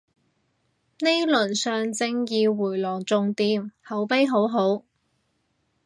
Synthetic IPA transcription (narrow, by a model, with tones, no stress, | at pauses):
ne˥jlɵ˨˩nsœː˨ŋt͡sɪ˧ŋjiː˨˧wuː˨˩jlɔː˨˩ŋt͡sʊ˨˧ŋt̪iː˨˧mhɐ˨˥wpe˥jɦo˨˥wɦo˨˥w